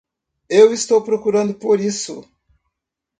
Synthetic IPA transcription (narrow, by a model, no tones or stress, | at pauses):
ewist̪owpɾokuɾɐ̃nd̪ʊpoɾisʊ̰